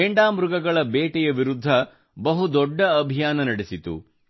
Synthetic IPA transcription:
eɳɖaːmɾuɡɐɡɐɭɐbeːʈɛjɐʋiɾud̪ʱːɐ | bɐɦud̪ɔɖːɐːbʱijaːnɐnɐɽesit̪ṵ

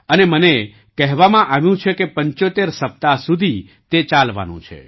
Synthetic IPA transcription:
əneməne | kɛɦʋamãʔaʋjũt͡ʃʰekepəɲt͡ʃot̪eɾsəp̚t̪asud̪ʱi | t̪et͡ʃalʋa̰nṵ̃t͡ʃʰḛ

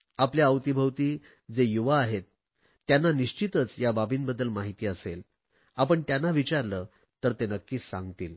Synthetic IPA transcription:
apljaəwt̪ibʱəwt̪iː | d͡zejuʋaːɦet̪ː | janːaniʂt͡ɕit̪ət͡sjababʱiːnbəd̪ːəlmaɦit̪iːəsel | apəɳt̪janːaʋit͡ɕaɾləː | t̪əɾt̪enəkːiːsã̰ŋɡt̪iːl

